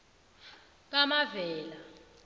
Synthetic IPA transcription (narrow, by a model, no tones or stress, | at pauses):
k̬amavɛːla